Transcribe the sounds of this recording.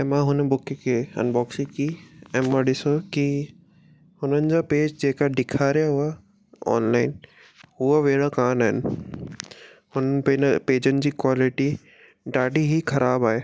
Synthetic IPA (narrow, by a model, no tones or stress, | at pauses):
ɛ̃ːmãɦʊnbʊkkʰeɐ̰nbɔːksikiɛ̃ːmãɗɪsoki | hʊnənɪ̆d͡ʑaːpeːd͡ʑd͡ʑeːkaɖɪkʰaːɾijaɦʊa | ɔ̰ːnlaːɪn | ɦuəʋeːɽakaːnaːɦɪnɪ̆ | hʊnənpeːnpeːd͡ʑənɪ̆d͡ʑiːkwaːlɪʈi | ɖaːɖiɦikʰɐɾaːbaːɦeː